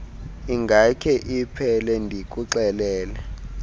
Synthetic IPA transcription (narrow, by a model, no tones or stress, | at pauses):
iŋɡʱakʰɛʔipʰɛlɛndʱikʼuǁɛlɛːlɛ